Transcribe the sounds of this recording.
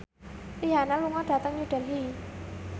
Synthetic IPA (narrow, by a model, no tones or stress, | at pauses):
iɦanaluŋɔɖ̥a̤t̪əŋɲuɖ̥ɛ̤lɦi